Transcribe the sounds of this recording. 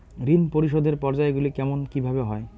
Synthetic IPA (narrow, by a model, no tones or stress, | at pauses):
ɾinpoɾiʃod̪ʱeɾpɔɾd͡ʑaeɡulikɛmonkibʱabeɦɔe